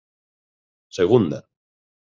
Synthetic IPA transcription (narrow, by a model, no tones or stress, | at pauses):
seɣ̞und̪a